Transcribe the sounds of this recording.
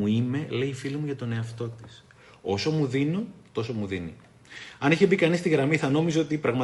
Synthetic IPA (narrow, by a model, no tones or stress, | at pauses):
uime̞le̞iːfilimuʝɐt̪o̞ne̞ɐft̪o̞t̪i̥s | o̞so̞muðinot̪o̞so̞muðinḭ | ɐniçebikɐnist̪iɣɾɐmiθɐno̞mizo̞t̪ipɾɐɣmɐ